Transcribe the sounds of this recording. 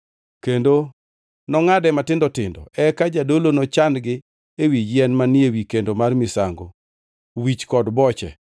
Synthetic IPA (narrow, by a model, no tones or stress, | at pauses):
kendo | nɔŋadɛmatɪndɔtɪndɔ̰ɛkad͡ʒadolonɔt͡ʃandɡɪ | ewid͡ʒjɛnmanɪewikendomarmɪsaŋɡo | wit͡ʃkɔdbɔt͡ʃɛ̰